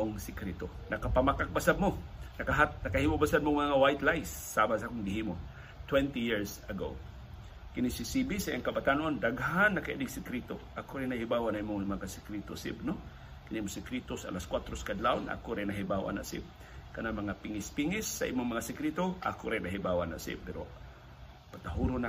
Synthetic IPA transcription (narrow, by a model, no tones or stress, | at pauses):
ʔoŋsɪkɾit̪o | nɐkapamakak̚basad̪̚monɐkaɦat̪̚nɐkahimoʔbasad̪moŋmaŋawajt̪lajsːamasaʔakʊŋɡɪhimo | t̪wɛnt̪ijiɹsɐɡo̰ | kɪnisɪsibisaaŋkɐbat̪anond̪aɡɦanːɐkaʔid̪ɪɡsɪkɾit̪oʔakʊɾɛnahibawanaʔimʊŋmaŋasɪkɾit̪osɪ̰b̚no | kɪnimosɪkɾit̪osaa̰laskwat̪ɾoskad̪lawna̰koɾɛnaɦibawʔa̰na̰ʔsɪ̰b̚ | kɐnamɐŋapɪŋɪspiŋɪsːa̰ʔḭmoŋmɐŋasɪkɾit̪oʔa̰koɾɛnaɦibawa̰na̰ʔsɪ̰pɛɾo̰ | pat̪aɦuɾʊna